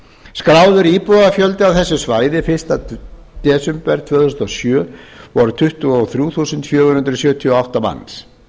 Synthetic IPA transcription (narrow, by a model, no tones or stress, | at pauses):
skɾaːwðʏɾiːpɔɣafjœlt̪ɪawθɛsːʏsvaːjðɪfɪnst̪a | t̪ɛːsʏmpɛɾt̪ʰv̥œːθusnɔsjœːvɔɾʏt̪ʰʏht̪ʏawθɾjuːθuːsʏnt̪fjœːɣʏhʏnt̪ɾʏsjœːt̪ʰiɔawht̪ama̰nːs